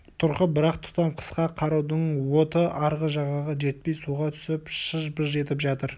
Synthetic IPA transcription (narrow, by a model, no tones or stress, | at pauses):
t̪ʰʊɾqəbɪɾɑqt̪ʰʊ̥t̪ɑmqʰə̥sqɑqʰɑɾɑwd̪əɴwo̞t̪əɑɾʁəʒɑʁɑʁɑʒe̞t̪̚pe̞jsuʁɑt̪ʰʏ̥sɪpʃəʒbəzʒe̞t̪ɪpʒɑt̪əɾ